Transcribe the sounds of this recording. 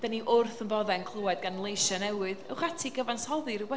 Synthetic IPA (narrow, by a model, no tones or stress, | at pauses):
d̥aniʔʊrθənvɔðɛnkʰlˠəwɛd̚ɡanlˠejʃanɛwɨðə̰wχatʰiɡəvanshɔðɨɾubɛ